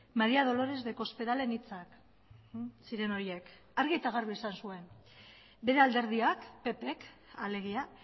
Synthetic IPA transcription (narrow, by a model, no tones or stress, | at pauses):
maɾiað̞o̞lo̞ɾe̞zðe̞ko̞spe̞ðale̞nit͡sak | siɾe̞no̞ɾje̞k | aɾɣiet̪aɣaɾβeisansue̞n | be̞ɾe̞ald̪e̞ɾð̞iakpe̞pe̞kale̞ɣ̞ia